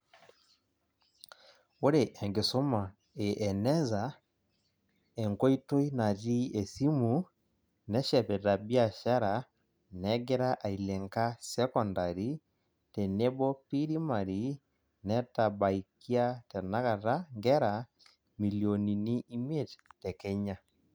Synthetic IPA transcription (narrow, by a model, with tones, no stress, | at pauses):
o˦ɾe˨ʔɛ˨ŋɡe˨so˦ma˨ | e˨ʔɛ˨nɛ˦za˨ | ɛ˨ŋkɔ˦i˦to˦i˦na˨ti˦ɛ˨si˦mu˨ | nɛ˦ʃɛ˨pɛ˨ɾa˨bi˦a˨ʃa˦ɾa | nɛɡɛ˦ɾa˦ʔa˨ilɛ˨ŋka˦sɛ˦kɔndaɾi˦ | tɛ˨nɛ˦bɔ˦pi˦ɾi˦ma˨ɾi˨ | nɛ˦ta˨ba˨iki˦a˦tɛ˨na˦ɣa˨ɾa˦ŋɡɛ˦ɾa | mi˨liɔni˨ni˦i˦me˦ttɛ˨kɛ˦ɲa˦